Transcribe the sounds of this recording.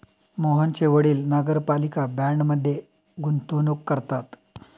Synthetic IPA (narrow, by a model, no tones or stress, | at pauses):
moɦənt͡ɕeʋəɽiːlnəɡəɾpalikabæɳɖməd̪ʱːjeɡunt̪unukːəɾt̪at̪